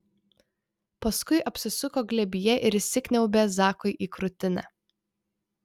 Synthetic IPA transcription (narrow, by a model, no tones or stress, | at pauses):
pɐskʊɪʔɐpʲsʲɪsʊkoːɡlʲɛbʲɪjɛʔɪɾsʲɪkʲnʲɛʊbʲeːzɑːkɔɪʔiːkɾʊt̪ʲɪnʲæ̰